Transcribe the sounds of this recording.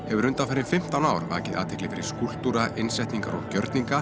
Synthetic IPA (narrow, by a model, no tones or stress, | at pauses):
hɛvʏɾʏnt̪afaːɾɪnfɪm̥t̪awnaːwɾva̰ːcɪðʔaːt̪ʰɛklɪfɪɾɪ̥skul̥t̪uɾaʔɪnsɛjht̪niŋka̰ɾɔ̰ɣcœɾt̪niŋka